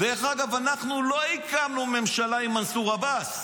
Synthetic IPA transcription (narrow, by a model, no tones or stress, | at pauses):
veeχaɡavanaχnulo̞ikamnume̞mʃalaimansuʁabas